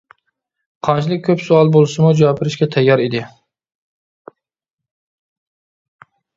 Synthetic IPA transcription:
qʰɑnt͡ʃʰilˠɪk̚ʲʰːøpsuɑlˠbolˠsɨmud͡ʒɑwɑpʰɪɾɪʃkʲɛt̪ʰɛjːɑɾid̪ɪ

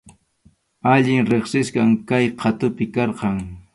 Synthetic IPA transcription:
aʎɪŋɾeχsɪskaŋkajqʰɑt̪ʊpɪkɑɾqɑŋ

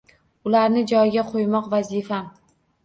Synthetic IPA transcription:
ʊlaɾnɪd͡ʒɒjɡʲaqʰojmɒqvazifam

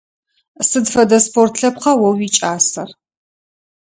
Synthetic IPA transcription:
sɨdfɐdɐspʰortʰɬɐp̚qɐwɐwiːt͡ʃʼaːsɐr

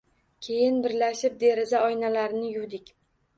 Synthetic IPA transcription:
kʲʰe̞jɪnbɪɾlaʃɪp̚d̪e̞ɾɪzaɒjnalaɾɪnɪjʊwd̪ɪkʲ

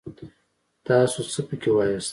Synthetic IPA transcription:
t̪ɑːsot͡səpəkʰʲewɑːjas

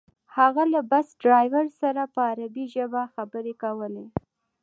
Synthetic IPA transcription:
haɣalabasɖɾɑjwaɾsaɾapəaɾabiʒəbaxabəɾekawəle

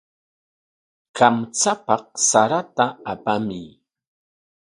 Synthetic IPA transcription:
kamt͡sapɑq̚saɾat̪aːpamɪj

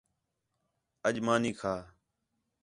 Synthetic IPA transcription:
əʄmaːniːkʰaː

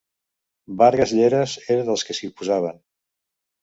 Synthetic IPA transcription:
barɣəzʎeɾəzeɾəðəlˠskəsipuzaβ̞ən

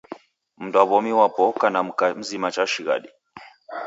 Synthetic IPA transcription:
m̩daβɔmiwapɔkanam̩kam̩zimat͡ʃaʃiɣa̰ɗi

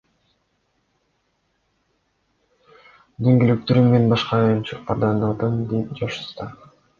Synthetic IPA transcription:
d̪eŋɡilyk̚t̪øɾymːenbɑʃqɑjɑnt͡ʃʰɯq̚pɑɾd̪ɑnɑd̪ɯmd̪et̪d͡ʒɑʃɯ̥st̪ɑ

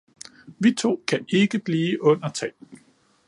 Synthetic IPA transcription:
ʋit͡sʰo̝̰ːkʰæʔe̝ɡ̥əb̥liːʔɔ̽n̰ɐt͡sʰɛː

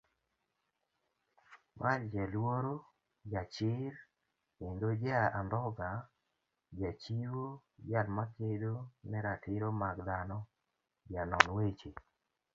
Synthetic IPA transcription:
wald͡ʒalwoɾo | d͡ʒat͡ʃɪɾ | endod͡ʒaand̪ɔɡa | d͡ʒat͡ʃiwo | jalmakedonɛɾatʰɪɾomakd̪anɔ | janɔnwet͡ʃe

